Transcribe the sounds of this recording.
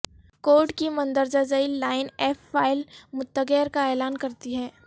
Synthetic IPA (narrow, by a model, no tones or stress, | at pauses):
koːɖkimɐ̃nd̪əɾd͡ʒad͡ʒailaːɪnɛːfːaːɪlmʊt̪ːəɡeːɾkaeːlaːnkɐɾt̪iɦɛː